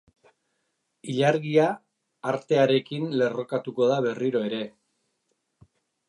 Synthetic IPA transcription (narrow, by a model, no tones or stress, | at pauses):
iʎaɾɣiaː | ɾt̪e̞aɾe̞kinle̞ro̞kat̪uko̞ðaβe̞riɾo̞e̞ɾe̞